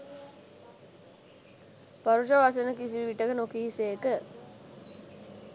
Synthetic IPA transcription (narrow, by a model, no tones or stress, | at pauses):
paɾuʃəʋas̬enəkisiʋʋiʈəkənokiːseːkə